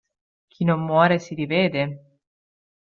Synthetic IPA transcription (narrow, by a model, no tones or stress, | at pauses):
k̟ʰinomːwɔːɾesiɾiveːd̪e